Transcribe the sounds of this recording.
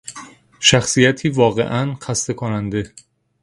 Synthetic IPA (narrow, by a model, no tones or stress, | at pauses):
ʃæxsijæt̪ʰiːvɒːɣe̞̰ʔænxæst̪e̞kʰonænd̪e̞